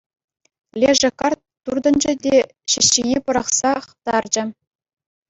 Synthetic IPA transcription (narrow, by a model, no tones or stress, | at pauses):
lʲeʐɘ̆kɑrt̪ːurd̪ɤ̆nd͡ʑɘ̆dʲe | ɕɘ̆ɕːinʲepɤ̆ɾɑχsɑχt̪ɑrd͡ʑɘ̆